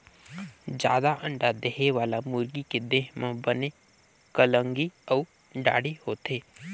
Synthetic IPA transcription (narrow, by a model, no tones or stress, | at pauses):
d͡ʒja̰ːd̪aʔə̃ɳɖad̪eɦeʋaːlamʊɾɡiked̪eːɦmãbəne | kələŋɡiəu | ɖa̰ːɽehoːt̪eː